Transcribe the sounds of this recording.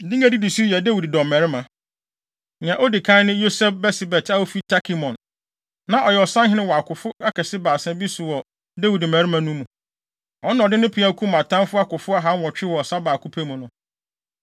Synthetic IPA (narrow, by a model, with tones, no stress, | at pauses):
dĩ˦ŋa˦di˦di˨su˦jɛ˨da˦wi˨ddɔ̃˨mmɛ˨ɾɪ˦mã˨ | ã˨ʔɔ˦dɪ˨kʰã˦nʊ̃˦jo˦sɛ˦fbɛ˦sɪ˨bɛ˨tʰa˦o˦fi˦tʰa˦kʰi˦mɔ̃˨nː | ã˨ʔɔ˨jɛ˨ɔ˨sã˦nhɪ˦nɪ̃˦wa˨kʰʊ˨fʊ˦a˦kʰɛ˨sɪ˦baː˨sɛ̃˦bi˦sʊ˨wɔ˨ | da˦wi˨dmæ˨ɾɪ˦mã˨nũ˦mũ˨ | ɔ˦n˦ɔ̃˨dɪ˦nʊ̃˦pʰɪ˨˦a˦kʰu˦m˨ã˨tʰã˦fʊ˦a˦kʊ˨fʊ˦a˦ɦa˦wɔ˨t͡ɕᶣɪ˦wɔ˨ɔ˨sa˦baː˨kʰu˦pʰe˦mũ˨nʊ̃˦